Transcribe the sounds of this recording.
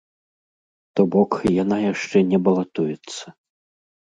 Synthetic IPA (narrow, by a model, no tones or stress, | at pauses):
t̪ɔbɔkjanajaʂt͡ʂɛnʲɛbɐlˠat̪ujɛt̪sːɐ